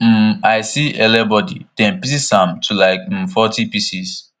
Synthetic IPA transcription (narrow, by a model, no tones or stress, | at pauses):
m̩aɪsiʔɛlɛbɔdḭd̥ɛ̃npis̬isãmtʰulaɪk̩̚fɔtipisis